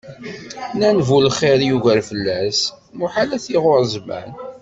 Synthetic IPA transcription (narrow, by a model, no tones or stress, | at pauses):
nænvulχeɾjuʝəɾfəlːæs | mʊħalæθiʁʊɾzˤmæ̰n